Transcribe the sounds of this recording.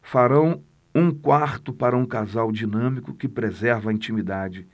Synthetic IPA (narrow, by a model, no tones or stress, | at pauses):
faɾɐ̃w̃ | ũkwaɾt̪ʊpaɾɐũkazawd͡ʒinɐ̃mikʊkɪpɾezɛɾvɐĩt͡ʃimid̪ad͡ʒɪ